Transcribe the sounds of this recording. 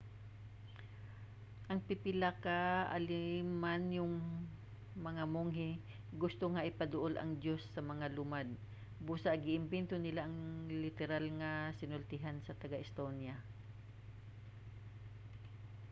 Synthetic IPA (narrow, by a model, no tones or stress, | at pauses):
ʔɐŋpɪpɪlakaʔa̰lɪmːanjʊŋ | mɐŋamoŋɦɪ | ɡʊst̪oŋaʔɪpɐd̪ʊʔolɐ̰ŋd̪josːɐmɐŋalʊmad̪̚ | buːsaʔɡɪʔɪmbɛnt̪onɪlaʔɐŋlɪt̪ɛɾalŋɐsɪnʊlt̪ɪɦansɐt̪ɐɡaʔɪst̪onja